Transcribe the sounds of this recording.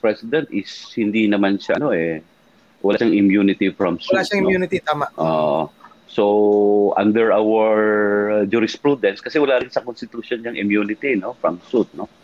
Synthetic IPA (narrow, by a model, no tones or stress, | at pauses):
pɹɛsɪd̪ɛnt̪ʔɪshɪnd̪inɐmanʃɐʔɐno̞ʔɛ | wʔɐlaʃɐŋʔɪmjunɪt̪ifɹɐmsuaʃɐŋɪmjuːnɪt̪it̪aːmaʔʔoːʔo̰ | soʔɐ̰nd̪ɛɹawəɹd͡ʒuɾɪspɹud̪ɛnskɐsɛwɐlaːɾɪnsɐkonst̪ɪt̪uʃonɲɐŋʔɪmjunɪt̪ino̞fɹɐmsut̪̚no